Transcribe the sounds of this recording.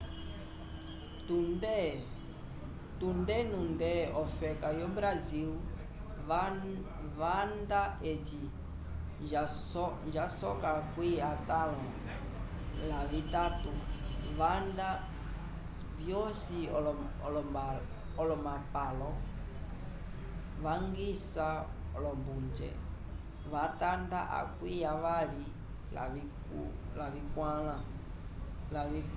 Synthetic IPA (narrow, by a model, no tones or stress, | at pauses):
tudɛ | tundɛnundɛɔfɛkajɔbɾazil | vandaeti | nd͡ʒasɔkakwiatalɔ̃ | lavitatuβanda | vjɔsiɔ | lɔ | ɔlɔmapalɔ | ʋaŋɡisaɔlɔmbund͡ʒɛ̰ | ʋatandaʔa̰kwijaʋali | la̰i | ṵ | laβikwalã | laβi